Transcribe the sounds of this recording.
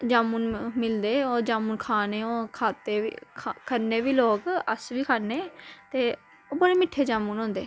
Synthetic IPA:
d͡ʒaːmuːnmɪld̪eːoːɾd͡ʒaːmuːnkʰaːneːoːkʰaːt̪eːkəɾneːʋiːloːɡəsʋiːkʰaːneːt̪eː | oːbəɽeːmɪʈʰːeːd͡ʒaːmuːnõːnd̪eː

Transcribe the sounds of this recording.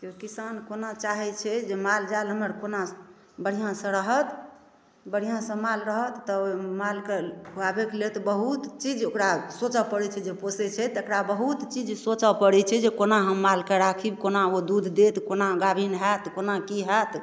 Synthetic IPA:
kiokisankonat͡ʃaɦɛt͡ʃʰɛd͡ʒemald͡ʒaelɦəməɾkona | bəɽ̤ijãsə̃ɾəɦət̪ | bəɽ̤ijãsə̃malɾəɦət̪ːɔomalkeɦuabekelet̪bəɦut̪t͡ʃid͡ʒokɾasot͡ʃəpəɽɛt͡ʃʰɛd͡ʒeposɛt͡ʃʰɛt̪ekɾabəɦut̪t͡ʃid͡ʒsot͡ʃəpəɽɛt͡ʃʰɛd͡ʒekonaɦəmːalkeɾakʰibkonaod̪ud̪ʱd̪et̪konaɡabʱinɦɛt̪konakiɦɛt̪

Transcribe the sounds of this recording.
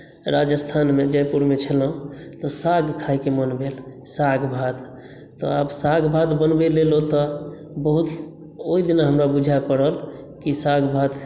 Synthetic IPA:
ɾad͡ʒəst̪ʰanmed͡ʒɛpuɾmet͡ʃʰələ̃t̪ɔsaɡkʰajkemənbelsaɡʱbʱat̪ | t̪ːɔ̰absaɡbʱat̪bənbelelot̪ɔ | bəɦut̪ | oid̪inaɦəmɾabud͡ʒʱapəɽəl | kisaɡʱbʱat̪

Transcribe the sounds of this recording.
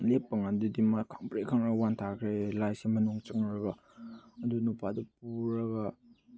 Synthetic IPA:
lepːɐŋandudimakʰaŋpɾekʰaŋɾaɡwantʰakʰɾelajsimɐnuŋt͡ʃɐŋɾɐɡɐ | ɐdunupʰadupuɾɐɡa

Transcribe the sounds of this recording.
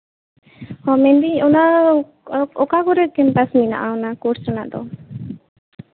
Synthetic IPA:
hɔmɛ̃nd̪iɔna | ɔkaɡɔɾɛkɛmpasmina̰ʔaɔnakɔɾsɾana̰ʔd̪ɔ

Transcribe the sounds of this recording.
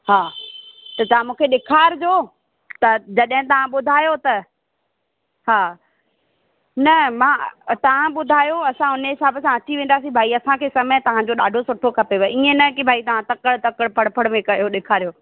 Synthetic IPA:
ɦaːt̪ɐt̪ɐʋãmũːkʰeɗɪkʰaːɾd͡ʑoː | t̪ɐd͡ʑɐɗɦɪ̃t̪ɐʋ̤ãɓʊd̪ʱaːjot̪ɐ | ɦaː | nɐmãːt̪ɐʋ̤ãɓʊd̪ʱaːjoɐsãɦʊnəɦɪsaːbsãɐt͡ɕiʋẽːnd̪aːsĩbʱaːiɐsãkʰeːsɐmə̃t̪ɐʋ̤ãd͡ʑoɗaːɖʱosʊʈʰokʰɐpeʋɐiːẽnɐkibʱaːit̪ɐʋ̤ãt̪ɐkəɽt̪ɐkəɽpʰɐɽpʰəɽmẽkɐjoɗɪkʰaːɾijoː

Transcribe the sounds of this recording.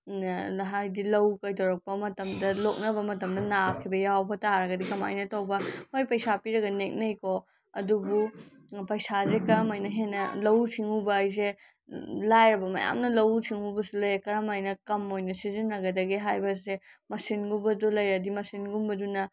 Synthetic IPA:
ɦajdilɐwkɐjtʰɐwɾɐk̚pɐmɐtɐmdɐlok̚nɐbɐmɐtɐmdɐnap̚kʰibɐjawbɐtaɾɐɡɐdikɐma̰jnɐtɐwbɐhojpɐjsapiɾɐɡɐnek̚nɐjko | ɐ̰dubu | pɐjsazekɐɾɐmojnɐɦenːɐlɐwsʰiŋhubɐːjze | lajɾɐbɐmɐ̰ja̰mnɐlɐwsʰiŋɦubɐsulɐjkɐɾɐmajnɐkɐmojnɐsizinːɐɡɐdɐɡiɦajbɐsemɐsinɡubɐdulɐjɾɐdimɐsinɡumbɐdunɐ

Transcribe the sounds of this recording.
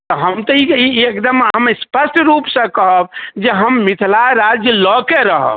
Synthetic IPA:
t̪ɔɦəmt̪ɔiiekd̪əmɦəmspəsʈɾupsə̃kəɦəb̚d͡ʒeɦəmːit̪ʰlaeɾad͡ʒjəlɔkeɾəɦə̰b

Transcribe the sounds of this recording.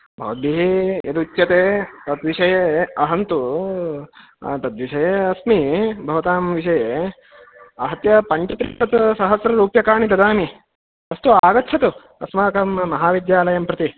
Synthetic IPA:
bʱɐ̰ʋɐd̪iɦijɐ̰d̪ut͡ʃjɐt̪eːt̪ɐt̪ʋiʃɐjeːɐɦɐnt̪u | t̪ɐt̪ʋiʃɐjeːɐsmibʱɐʋɐt̪aːmʋiʃɐjeː | ɐɦɐt̪jɐpɐɲt͡ʃɐt̪ɾḭːnɐt̪sɐɦɐsɾɐɾuːpjɐkaːɳid̪ɐd̪aːmi | ɐst̪uaːɡɐtːt͡ʃʰɐt̪u | ɐsmaːkɐmɐmɐɦaːʋid̪jaːlɐjɐmpɾɐt̪i

